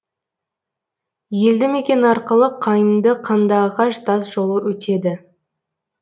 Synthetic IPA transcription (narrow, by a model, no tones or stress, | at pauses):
je̞ld̪ɪmekʲe̞nɪɑɾqəlˠəqʰɑjənd̪əqʰɑnd̪ɑʁɑʃt̪ɑzʒo̞lˠəwɵt̪e̞d̪ɪ